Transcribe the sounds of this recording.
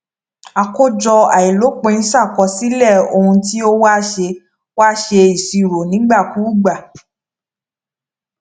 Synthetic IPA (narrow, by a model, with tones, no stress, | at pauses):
a˨ko˦d͡ʒɔ˧a˨i˨lo˨˦k͡pe˧˦˧ñ̩˦sa˦˨kɔ˧si˨˦lɛ˦˨o˧hũ˧ti˦o˦waː˦ʃe˧ | waː˦ʃe˧i˨si˨˧˨ɾo˨nĩ˨˦ɡ͡ba˦˨ku˦ɡ͡ba˨